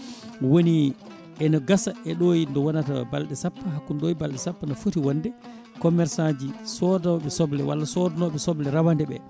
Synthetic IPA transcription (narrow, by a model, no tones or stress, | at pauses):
woni | ɛnɔɡasaɛɗojndɔwɔnatabalɗɛsapːaɦakːunɗojbalɗɛsapːanɔfutiwɔndɛ | kɔmɛɾsad͡ʒisɔdɔɓɛsɔblɛwa̰lːasɔdɔnɔɓɛsɔblɛɾawandɛɓɛ̰